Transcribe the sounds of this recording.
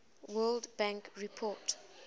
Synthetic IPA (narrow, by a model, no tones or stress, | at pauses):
wɜldbãŋkɹipʰɔt